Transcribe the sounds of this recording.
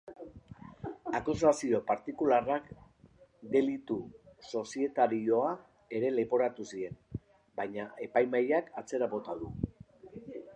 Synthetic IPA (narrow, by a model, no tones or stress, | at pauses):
akus̬asio̞paɾt̪ikularak | d̪e̞lit̪uso̞sie̞t̪aɾio̞a | e̞ɾe̞le̞po̞ɾat̪usie̞n | bajɲae̞pajmajakat͡se̞ɾaβo̞t̪aðu